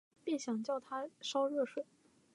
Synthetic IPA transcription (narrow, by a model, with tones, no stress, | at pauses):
pi˥˩ɕjɑ˨˩ŋt͡ɕjɑ˥˩ʊt̪ʰa˥ʂɑ˥ʊɻɤ˥˩ʂwe˨˩˦